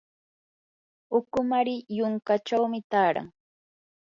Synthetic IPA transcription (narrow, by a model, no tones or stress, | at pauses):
ʊkʊmaɾɪjʊŋkat͡ʃawmɪt̪aːɾa̰ŋ